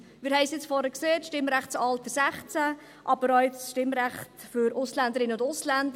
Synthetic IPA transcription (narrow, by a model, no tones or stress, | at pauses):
mɪɾhɛɪsjɪt͡sfɔɾəkseːtʃtɪmɾæχt͡sɑltəsæχt͡sæ | ʔɑbəɾɔɪt͡sʃtɪmɾæχtfʏɾʊslænd̪əɾɪnəʊndʊslændə